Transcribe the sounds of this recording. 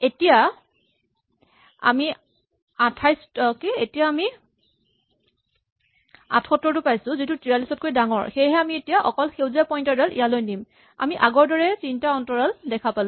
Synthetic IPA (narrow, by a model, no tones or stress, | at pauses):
etija | a̰mi | atʰajstɔkeetijaːmi | a̰tʰxɔtːɔɹtʊpajsʊ̃zitʊtɹialisɔt̚kojdaŋɔ̰ɹxejɦɛamietijaʔɔkɔlxewzapɔjntɔdɛlʔḭjalojnim | a̰miʔaɡɔɹdɔɹɛsintaɔntɔɹaldɛkʰapalʊ̃